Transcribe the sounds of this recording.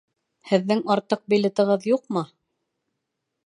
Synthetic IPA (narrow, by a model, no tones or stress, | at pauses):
hɘ̆ðːɘŋɑɾt̪ɤq̚bilʲɘt̪ɤ̆ʁɤðjuqmɤ